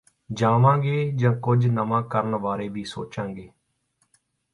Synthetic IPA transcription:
d͡ʒaːʋãːɡeːd͡ʒãːkʊd͡ʒnəmãːkəɾəɳʋaːɾeːbʱiːso̰ːt͡ʃãːŋɡeː

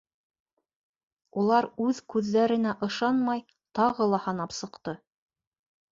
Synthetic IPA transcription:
ulˠɑɾʉðkʉðːæɾɘ̆næʔɤ̆ʃɑnmɑj | t̪ɑʁɤlˠɑhɑnɑpsɤ̆qt̪ɤ

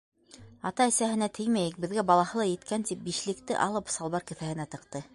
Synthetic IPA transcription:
ɑt̪ɑɘ̆sæɦɘ̆næt̪ʰɘjmæjɘk̚bɘ̆ðɡæbɑlˠɑhɤ̆lˠɑjɘ̆t̪kænt̪ip̚biʃlɘ̆kt̪ɘ̰ʔɑ̰lˠɤpsɑlˠβɑɾkɘ̆fæhɘ̆næt̪ɤ̆qt̪ɤ

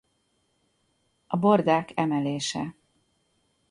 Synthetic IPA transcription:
ɒbo̞rd̪aːkɛmɛleːʃɛ̰

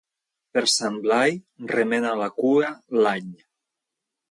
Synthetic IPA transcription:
peɾsamblajremenalakuɾalaɲ

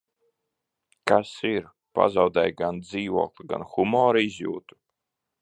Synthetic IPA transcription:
kasiɾ | pa̰zawd̪ɛjɡand̪ziːvuɔːklˠiɡa̰nxumɔːɾizjṵːt̪u̥

